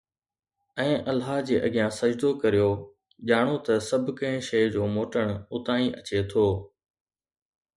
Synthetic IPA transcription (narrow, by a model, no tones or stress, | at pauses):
ɛ̃ːʔɐlɦaːɦd͡ʑeːʔɐɡɪjãsɐd͡ʑd̪okɐɾijoː | ʄaːɽ̃ot̪ɐsɐbʱʊkɐ̃ɦɪ̃ʃɐjd͡ʑoːmoːʈəɽ̃ʊʊt̪ãːĩʔɐt͡ɕet̪ʰoː